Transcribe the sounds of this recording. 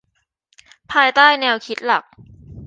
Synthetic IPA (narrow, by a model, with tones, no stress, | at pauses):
pʰaː˧jt̪aː˥˩jnɛː˧wkʰi˦˥t̪̚la˨˩k̚